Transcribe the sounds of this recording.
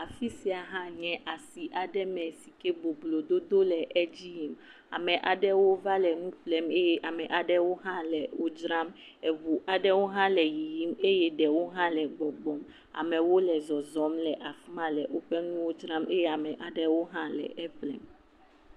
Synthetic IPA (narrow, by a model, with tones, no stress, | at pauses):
a˨fi˦si˦a˨ɦã˦ɲɛ̃˨ʔa˨si˨ʔa˨ɖɛ˦mɛ̃˨si˨ke˦bo˨blo˨d̪o˦d̪o˦lɛ˨ʔɛ˦d͡ʑi˦ji˦m | a̰˨mɛ̃˨ʔa˨ɖɛ˦wo˦va˦lɛ˨nũ˦ɸlɛ˨me˦jɛ˦ʔa˨mɛ̃˨ʔa˨ɖɛ˦wo˦ɦã˦lɛ˨wo˦d͡ʒɾã˦m | ɛ˨vu˨ʔa˨ɖɛ˦wo˦ɦã˦lɛ˨ji˨ji˦me˦jɛ˦ɖɛ˨wo˦ɦã˦lɛ˨ɡ͡bɔ˨ɡ͡bɔ˨m | a̰˨mɛ̃˨wo˦lɛ˨zɔ˨zɔ˨˦mlɛ˨ʔa˨fu˦mã˨lɛ˨wo˦ɸɛ˦nũ˦wo˦d͡ʒɾã˦me˦jɛ˦a˨mɛ̃˨ʔa˨ɖɛ˦wo˦ɦã˦lɛ̰˨ʔɛ˦ɸlɛ̰˨m